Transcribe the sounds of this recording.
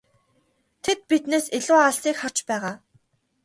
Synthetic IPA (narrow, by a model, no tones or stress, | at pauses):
t̪ʰet̪̚pit̪neːseɮʊːaɮsiːkχar̥t͡ɕpæːʁaː